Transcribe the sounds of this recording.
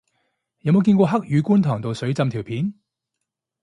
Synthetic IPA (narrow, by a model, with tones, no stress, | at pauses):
jɐ˨˥wmo˨˧wkiː˧nkʷɔː˧ɦɐ˥k̚jyː˨˧kuː˥nt̪ʰɔː˨˩ŋt̪o˨wsɵ˨˥ɥt͡sɐ˧mt̪ʰiː˨˩wpʰiː˨˥n